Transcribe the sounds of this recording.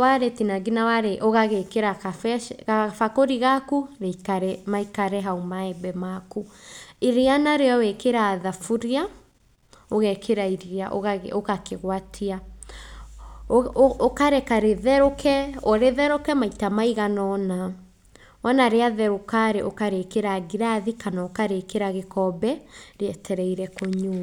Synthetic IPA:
waɾetinaɡinawaɾeʔoɣaɣekeɾakafɛkafakoɾiɣakuɾekaɾɛmaikaɾɛɦaumaɛbɛmakuiɾianaɾeɔwekeɾaːðafuɾia | oɣɛkʰeɾaiɾiaʔo̰ɣaɣokakeɣwatʰia | okaɾɛkaɾeðɛɾokɛɔɾeðɛɾokɛmaitamaiɣanɔna | wɔnaɾeaðɛɾokaɾeʔo̰kaɾekeɾaɡiɾaðikanaokaɾekeɾaɣekɔbɛɾeɛtʰɛɾɛiɾɛkoɲu

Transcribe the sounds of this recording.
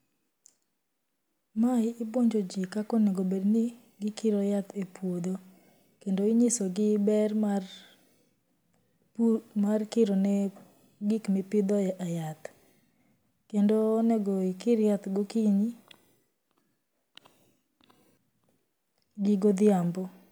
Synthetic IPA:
maɪɪboɲd͡ʒod͡ʒikakonɛɡobedni | ɡɪkɪɾɔjat̪epwod̪o | kendoiɲisoɡɪbɛrmar | markɪɾonɛ | ɡikmipɪd̪ɔjaʔajat̪ | kendoːnɛɡɔikɪɾjat̪ɡokiɲi | ɡiɡod̪ɪambɔ

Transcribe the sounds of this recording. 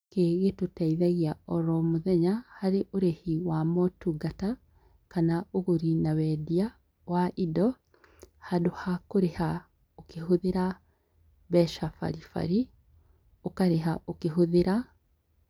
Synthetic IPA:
keːɣetotaiðaɣiaɔɾɔmoðɛɲahaɾeʔoɾehiwamɔtuɡata | kanaoɣoɾinawɛdia | waʔidɔ | hadohakoɾeha | okehoðeɾa | bɛʃafa̰ɾifa̰ɾi | okaɾeɦaʔokeɦoðeɾa

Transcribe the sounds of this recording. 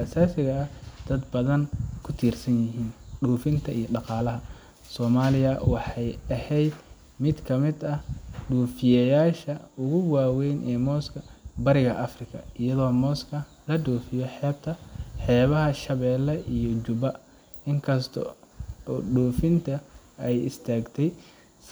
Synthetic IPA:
asaːsɪɣɐːhd̪̥ɐd̪bɐðɐnkʰʊt̪ʰiːrsɐnjɪɦiːnɖuːfɪnt̪ʰɐijɔɖɑqɑːlɐɦɐ | sɔːmaːlɪjɐwɑħɑjɐhɛjd̪ | mɪd̪kʰɐmɪd̪ɐhɖuːfɪjɛjaːʃɐʊɣʊwaːwɛjnʔɛːmɔːskʰɐbɐɾɪɣɐʔɐfrɪkʰɐɪjɐðɔːmɔːskʰɐ | lɐɖuːfɪjɔħɛːb̚t̪ʰɐħɛːβɐɦɐʃɐβɛːlːɛʔijɔt͡ʃʊβɐ | ɪŋkʰɐst̪ʰɔ̰ː | ɖuːfɪnt̪ʰɐɛjɪ̰st̪ʰaːɡt̪ʰɛj | s

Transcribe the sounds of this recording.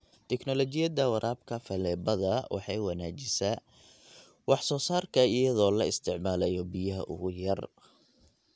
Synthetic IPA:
t̪ʰɛknɔlɔt͡ʃɪjɐd̪ɐwɐɾʔaːbkʰɐfɐlɛːbɐðɐwʔɑ̰ħɑjwɑnaːt͡ʃɪsa | wɑħsɔːsaːrkʰɐɪjɐðɔːlɐɪst̪ʰɪʕmaːlɛjɔbijɐɦɐ̰ʔʊ̰ɣʊjɐr

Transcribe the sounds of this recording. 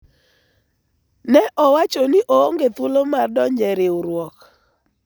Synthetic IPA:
nɛʔɔwat͡ʃɔnɪʔoŋɡet̪wʊlomardɔɲd͡ʒɛɾɪuɾwɔk

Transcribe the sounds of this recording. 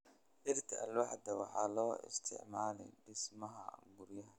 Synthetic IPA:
ʔɪrt̪ʰɐʔɐ̰lwɑħd̪ɐwɑħɑ̰ːlɔːɪ̰st̪ʰɪ̰ʕmaːlɛ̰jɖɪsmɐɦɐ̰ɡʊɾjɐɦɐ

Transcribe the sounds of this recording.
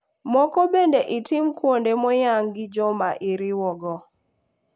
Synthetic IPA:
mɔkɔbendeʔɪtɪmkwondemɔjaŋɡɪd͡ʒɔmaʔiɾɪwɔɡɔ

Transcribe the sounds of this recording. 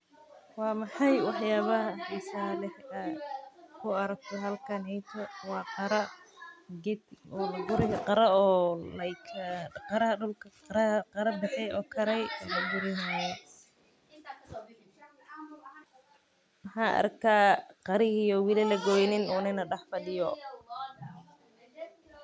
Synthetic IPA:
wɑːmɑħɑjwɑħjaːβɐhɐhɛsaːlɛhɐ | kʰʊɐɾɐk̚t̪ʰɔɦɐlkʰanhɛjt̪ʰɔwɑːqɑɾɐ | ɡɛɔɡʊɾɪɣɐqɑɾɐɔːlɐkʰqɑɾɐɦɐɖʊlkʰɐqɾɐqɑɾɐbɪħɛjɔːkʰɐɾɛjlɐɡʊɾɪnajɔ | mɐħɑːʔɐ̰ɾkʰaːqɑɾɪhijɔwɪlɪlɐɡɔːjnɪnuːnɪnɐɖɛħfɐɗɪjɔ

